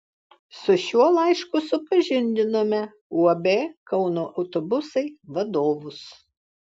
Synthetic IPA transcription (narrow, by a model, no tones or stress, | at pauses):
sʊʃʲuɔlˠɐˑɪʃkʊsʊpɐʒʲɪnʲd̪ʲɪnoːmʲɛ | uɔbʲekɐʊnoːʔɐʊt̪obʊsɐɪʋɐd̪oːʋʊs